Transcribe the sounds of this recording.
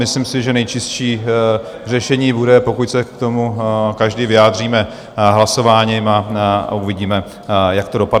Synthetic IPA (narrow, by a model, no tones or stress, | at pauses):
mɪslimsɪʒɛnɛjt͡ʃɪsʃiː | r̝ɛʃɛɲiːbudɛpo̞kucsɛkt̪o̞mukaʒdivɪjaːd̪r̝iːmɛ | ɦlaso̞vaːɲimauvɪɟiːmɛ | jakt̪o̞do̞pad